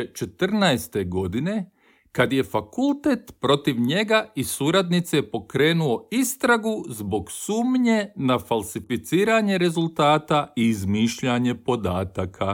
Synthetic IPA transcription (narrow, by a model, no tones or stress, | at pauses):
t͡ʃet̪r̩naest̪e̞ɡo̞d̪ine̞ | kad̪je̞fakulˠt̪e̞t̪pɾo̞t̪iʋɲe̞ɡaisuːɾad̪nit̪seepo̞kɾe̞ːnuo̞ist̪ɾaɡuzbo̞ɡsuːmɲe̞nafalsifit̪siːɾaɲe̞ɾe̞zulˠt̪aːt̪aiːzmiːʃʎaɲe̞po̞d̪aːt̪akʰa